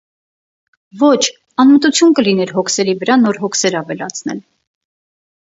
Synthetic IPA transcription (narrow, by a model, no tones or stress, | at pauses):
vɔt͡ʃʰ | ɑnmət̪ut͡sʰjunkəlinɛɾɦɔkʰsɛɾivəɾɑnɔɾɦɔkʰsɛɾɑvɛlɑt͡sʰnɛ̰l